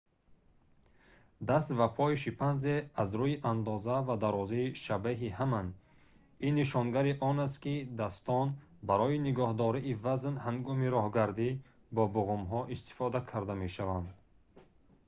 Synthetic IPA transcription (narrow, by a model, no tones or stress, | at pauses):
d̪ast̪vapʰɔiʃipʰanzeazɾuiʔand̪ɔzavad̪aɾɔziːʃabeɦihaman | inːiʃɔnɡaɾiʔɔnas̬t̪kid̪ast̪ɔn | baɾɔiniɡɔhd̪ɔɾiːvaznhaŋɡɔmiɾɔhɡaɾd̪i | bɔbuɣumɦɔʔist̪i̥fɔd̪akʰaɾd̪ameʃavand̪